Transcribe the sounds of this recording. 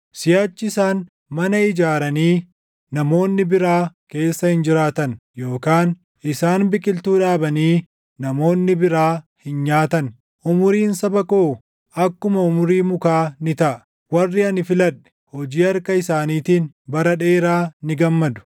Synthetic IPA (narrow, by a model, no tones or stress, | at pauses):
sɪjaːt͡ʃːɪɪsaːn | mɐnɐɪd͡ʒaːɾɐniː | nɐmo̞ːnːɪbɪɾaːke̞ːsːɐhɪnd͡ʒɪɾaːt̪ɐnjo̞ːkaːn | ʔɪsaːnbɪkʼɪlt̪uːᶑaːbɐniː | nɐmo̞ːnːɪbɪɾaːhɪnɲaːt̪ɐn | ʔʊmʊɾiːnsɐbɐkoː | ʔɐkːʊmɐʊmʊɾiːmʊkaːnɪt̪ɐʔɐ̥ | wɐrːɪɐnɪfɪlɐᶑɛ̥hɔd͡ʒiːɐɾkɐɪsaːniːt̪iːn | bɐɾɐᶑe̞ːɾaːnɪɡɐmːɐd̪ʊ̥